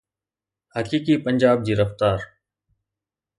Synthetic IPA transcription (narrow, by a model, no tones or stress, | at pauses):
həkiːkiːpəɲd͡ʑaːb̚d͡ʑiːɾəft̪aːɾ